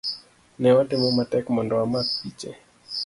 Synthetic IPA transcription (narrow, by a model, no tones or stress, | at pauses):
nɛwatɛmɔmatɛkmɔndɔamak̚pit͡ʃɛ